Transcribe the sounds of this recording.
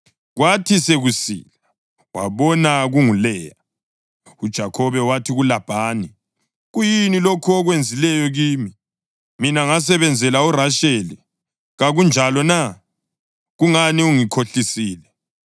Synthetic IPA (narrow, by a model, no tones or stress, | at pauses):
ɣwatʰiseɣusḭːla | wa̰βɔnaɣuŋulɛːja | ud̥ʒ̥ʱakʰɔβɛwatʰiɣulab̥ʱaːni | ɣujinilokʰɔɔɣwend͡zʱilɛjɔɣiːmi | minaŋas̬ɛβɛnd͡zʱɛlauraʃeli | ɣaɣund͡ʒʱalɔna | ɣuŋaniuŋikʰoɬisiːlɛ